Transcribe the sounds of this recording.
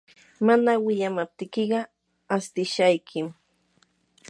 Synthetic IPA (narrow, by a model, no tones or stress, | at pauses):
manawɪʎamap̚t̪ɪkɪɢɑ | ast̪ɪʃajkʰɪm